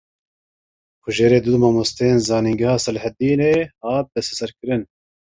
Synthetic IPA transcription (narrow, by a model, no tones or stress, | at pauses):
kʰʊʒeːɾeːd̪ud̪maːmost̪ejeːnzɑːniŋɡɐhɑːsɐlhɛt̪̚d̪iːneːhɑːt̪̚b̪ɛsɛsɛɾkɨɾɨn